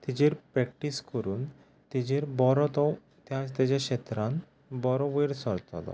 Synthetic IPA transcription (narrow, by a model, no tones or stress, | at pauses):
t̪id͡ʑeɾpɾɛk̚ʈiskəɾuːn | t̪id͡ʑeɾbɔɾɔt̪ɔw | t̪jãt͡st̪ad͡ʑaɕet̪ɾãn | bɔɾɔʋeɾsɔɾt̪ɔ̰lɔ̰